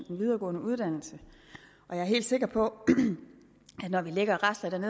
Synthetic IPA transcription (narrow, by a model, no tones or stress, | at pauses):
d̥enʋið̞ˠɐːɡ̥ɔ̽ːnəuð̞ˠd̥æn̰l̩sə | ʔɒ̽jɑ̈æɐɦe̝̰ːld̥se̝ɡ̥ɐpʰɒ̽ | æd̥nɒʋileɡ̥ɐʁasd̥ɐd̥æɐne